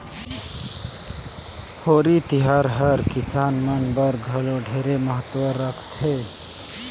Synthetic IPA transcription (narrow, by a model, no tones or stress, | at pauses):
hoːɾit̪ɪɦaːɾɦɐɾkɪsaːnmɐŋɡbɐɾɡʱɐloɖʱeːɾemɐɦət̪wəɾːɐkʰt̪ʰeː